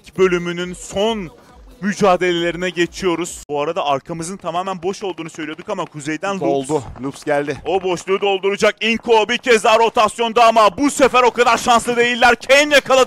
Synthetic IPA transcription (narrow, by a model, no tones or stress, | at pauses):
bø̞lʲymynynson | myd͡ʒaːd̪e̞lʲe̞lʲe̞ɾinɛɟe̞t͡ʃʰijo̞ɾuz̥oaɾad̪aʔaɾkʰamɯzɯnt̪ʰamaːmænbo̞ʃo̞lˠd̪uːnusø̞jlʲijod̪ukamakʰuzejd̪ænlolˠd̪ʊlˠupsɟælʲd̪ɪo̞bo̞ʃlˠuːd̪o̞lˠd̪uɾud͡ʒak̚iŋkʰobiɾcʰɛzd̪aɾo̞t̪ʰasjo̞nd̪aamabusefæɾo̞kad̪aɾʃanslˠɯd̪e̞jilʲːæɾcʰejinjakʰalˠad̪